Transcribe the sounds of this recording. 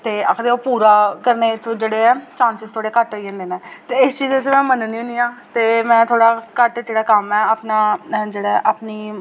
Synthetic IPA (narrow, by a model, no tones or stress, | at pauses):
t̪eːa̰ːkʰd̪eːoːpuːɾaːkəɾneːt̪ʰːd͡ʒeːɽeːɛːt͡ʃãːnsɪzt̪ʰoːɽeːkəʈoid͡ʒẽːnd̪eːnɛ̃ːt̪eːɪst͡ʃiːzet͡ʃmɛ̃ːmənniːʊ̃niːãːt̪eːmɛ̃ːt̪ʰoːɽaːkəʈd͡ʒeːɽaːkəmɛːaːpnaːd͡ʒeːɽaʔaːpniː